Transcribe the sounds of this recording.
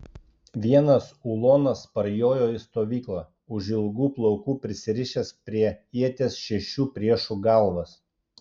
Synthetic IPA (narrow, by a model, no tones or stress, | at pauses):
ʋʲiɛnɐsulˠoːnɐspɐɾjoːjoːɪst̪oːʋʲiːklˠɐ | ʊʒɪlˠɡuːplˠɔʊkuːpʲɾʲɪsʲɪɾʲɪʃʲɛspʲɾʲiɛiɛt̪ʲesʃʲɛʃʲuːpʲɾʲiɛʃuːɡɑˑlˠʋɐs